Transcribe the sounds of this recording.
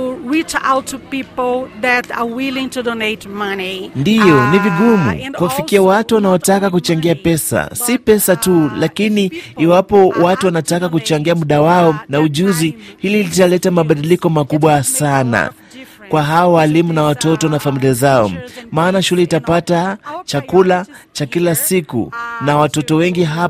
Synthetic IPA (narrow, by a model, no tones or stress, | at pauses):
uɹit͡ʃa̰ʊtʰːupipl̩ðɛtawilĩŋtudɔneɪtmanindijɔniviɠumṵkuwafikiawatuwanaɔtakakut͡ʃaŋɡiapɛsa̰sipɛsatulakiniiwapɔwatuwanatakak̬ut͡ʃaŋɡiamuɗawaɔnauʄuzihililitalɛtamaɓaɗilikɔmakuɓwasana̰ | kwaɦaɔwalimunawatɔtɔnafamiliazaɔmaːnaʃulɛitapatat͡ʃakula | t͡ʃakilasikṵnawatɔtɔwɛŋɡiɦa